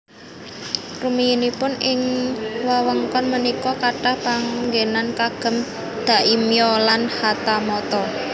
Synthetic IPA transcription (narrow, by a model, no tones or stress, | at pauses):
rumiinipʊnʔɪŋwawəŋkɔnmənikɔkaʈahpaŋɡenankaɡ̥ə̤m | d̪̥a̤ʔimijɔlanhat̪amɔt̪ɔ